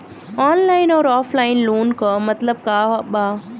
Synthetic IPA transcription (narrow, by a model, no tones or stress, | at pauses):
ɔːnlaːɪnɔːɾɔːflaːɪnloːnkɐmɐt̪ləb̚kaːɦɓaː